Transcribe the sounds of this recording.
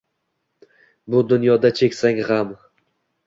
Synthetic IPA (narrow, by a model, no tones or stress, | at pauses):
bʊd̪ʊnjɒd̪at͡ʃʰe̞kʲsaŋʁam